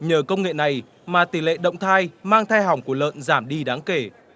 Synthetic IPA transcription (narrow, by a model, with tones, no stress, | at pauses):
ɲəː˨˩kə˧wŋ͡mŋḛ˧˨na˨˩j | maː˨˩t̪i˨˧˩lḛ˧˨ɗə̰˧˨wŋ͡mt̪ʰaː˧jmaː˧ŋt̪ʰaː˧jɦa˨˩wŋ͡mku˧˩ələ̰ː˧˨nzaː˧˩mɗi˧ɗaː˨˦ŋke˧˩